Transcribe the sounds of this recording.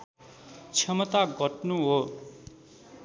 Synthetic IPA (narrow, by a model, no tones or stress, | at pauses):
t͡sʰʌmʌt̪aɡʱʌʈnuɦo